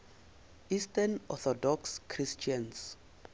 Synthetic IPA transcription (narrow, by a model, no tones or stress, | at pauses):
istanɔθɔdɔkskʰrist͡ʃʰãns